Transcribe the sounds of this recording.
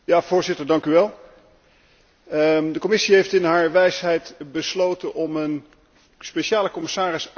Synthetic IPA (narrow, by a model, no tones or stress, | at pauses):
jaːv̥ʊːɹzɪtəɹdɑŋkyʋɛlˠ | dəkomɪsiɦejftɪnɦaːɹʋɛjsɦɛjtbəslowtənʔɔmən | speʃaːləkɔməsaːrɪs